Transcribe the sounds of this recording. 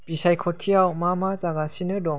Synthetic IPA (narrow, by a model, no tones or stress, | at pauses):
b̥isajkʰɔtʰijawmamazaɡasinɯdɔŋ